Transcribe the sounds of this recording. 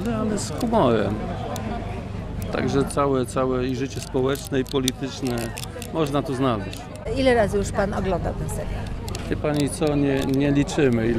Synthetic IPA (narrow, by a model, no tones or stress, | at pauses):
zanɛsxumɔɾɛ̰m | t̪a̰ɡʐɛt̪sawɛt̪sawɛiʐɘt͡ɕɛspɔwɛt͡ʂnɛipɔlʲit̪ɘt͡ʂnɛ | mɔʐnat̪uznalɛɕt͡ɕ | ilɛɾazɘjuʂpanɔɡlɔnd̪a̰wt̪ɛmsɛ̰ɾʲjaɛpaɲit̪sɔɲɛɲɛlʲit͡ʂɘmɘi